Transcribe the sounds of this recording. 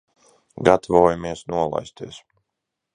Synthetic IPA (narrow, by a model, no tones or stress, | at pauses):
ɡat̪ʰvɔːjamiɛsnuɔlˠa̰jst̪iɛs